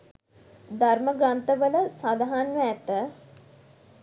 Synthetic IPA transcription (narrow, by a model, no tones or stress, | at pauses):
d̪arməɡɾant̪əʋələsad̪aɦanʋəæt̪ə